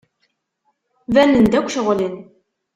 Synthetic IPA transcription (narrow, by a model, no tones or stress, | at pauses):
vænənd̪ækʷːʃəʁlin